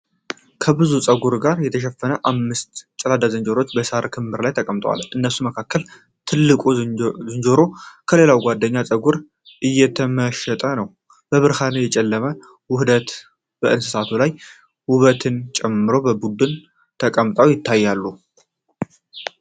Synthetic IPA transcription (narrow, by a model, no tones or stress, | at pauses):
kʰəbɨzusʼəɡuɾɡaɾjɛt̪ʰəʃ̬ɛfːənəʔamːɨst̪t͡ʃʼɛlad̪azənd͡ʒoɾo̞t͡ʃːbəsaɾkʰɨmbɨɾlajt̪ʰəkʼəmt̪ʼwa̰lʔɨnːəsuməkʰakːəl | t̪ʰɨlːɨkʼuzɨnd͡ʒo̞ɾo̞kʰəle̞lawɡʷad̪ːəɲːasʼəɡuɾ | ʔɨjːɛt̪ʰəməʃɛt̪ʼənəw | bəβɨɾhanɨjɛt͡ʃʼɛlːəmə | wʊhd̪ət̪ | b̥əʔɨnsɨ̥sat̪ʰulaj | wʊβət̪ʰɨnt͡ʃʼɛmːɨɾo̞bəbud̪ɨn | t̪ʰəkʼəmt̪ʼawjɪt̪ʰːajːalːu